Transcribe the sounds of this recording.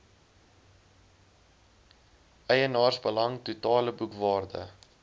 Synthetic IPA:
ɛjənɑːrsbəlɐŋtutɑːləbukvɑːrdə̰

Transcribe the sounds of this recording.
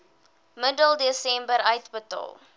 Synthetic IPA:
mədəlˠdisɛ̃mbəɾɐjtbətə̰lˠ

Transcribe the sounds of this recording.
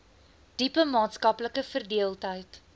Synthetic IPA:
d̥ipəmɑːtskɐpləkəfərdiəlˠtɦəjt

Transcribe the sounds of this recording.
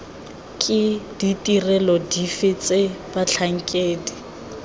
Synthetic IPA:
kʼɪd̥itʼirɛlɔdifɪt͡sʼebat͡ɬʰaŋ̩kʼeːdi

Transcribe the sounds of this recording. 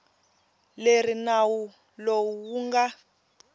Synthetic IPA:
leɾinawu | lowuwuŋɡa

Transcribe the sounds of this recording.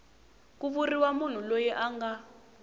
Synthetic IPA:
k̬uβuriwamun̤ulojɛʔaŋɡa

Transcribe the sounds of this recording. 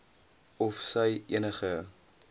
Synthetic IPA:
ɔfsəjʔiənəχə

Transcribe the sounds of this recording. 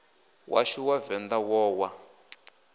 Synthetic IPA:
wʔa̰ʃiwavɛnd̪awɔːwa

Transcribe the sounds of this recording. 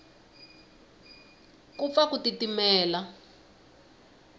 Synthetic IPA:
kup̪fakutitimɛːla

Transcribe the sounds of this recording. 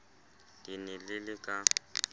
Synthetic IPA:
dinɪlɪlɪkʼa

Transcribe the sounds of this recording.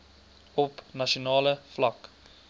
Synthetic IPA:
ɔpnaʃonɑːləflak

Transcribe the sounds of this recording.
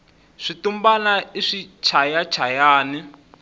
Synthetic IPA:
ʂitumbanaiʂit͡ʃʰajat͡ʃʰajaːni

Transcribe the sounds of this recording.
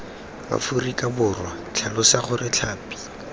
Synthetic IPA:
ba̰furikʼabʊrwa | t͡ɬʰalʊsaχʊrɪt͡ɬʰaːpi̥

